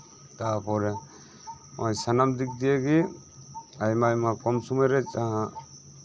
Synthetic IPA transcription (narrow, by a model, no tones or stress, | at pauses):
t̪apɔɾɛ | ɔjsanamd̪ik̚d̪ijaɡi | ajmajmakɔmsumaɾɛt͡ʃaa